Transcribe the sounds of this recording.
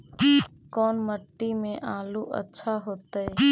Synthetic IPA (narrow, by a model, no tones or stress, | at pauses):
kɔːnməʈːimẽʔaːluːʔə̰tːʃʰaɦoːt̪əeː